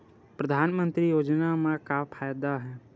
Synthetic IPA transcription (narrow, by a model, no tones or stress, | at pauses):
pɾəd̪ʱaːnmə̃nt̪ɾijoːd͡ʒnamãkapʰaːjd̪aɦɛː